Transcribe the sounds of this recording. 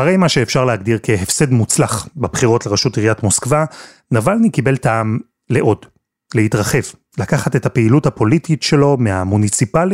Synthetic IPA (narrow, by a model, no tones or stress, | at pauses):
haʁejmaʃeːfʃaʁleɦaɡdiʁke̞ɦefse̞dmut͡slaχbebχiʁo̞tleʁeʃutiʁjatmo̞skva | navalnikibe̞ltaːm | le̞ʔo̞d | leitʁaχe̞v | lakaχate̞thapeiluthapo̞lititʃe̞lo̞meamunit͡sipali